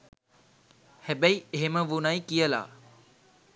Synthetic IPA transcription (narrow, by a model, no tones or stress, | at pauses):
hebəieɦeməʋunajkijəla̰ː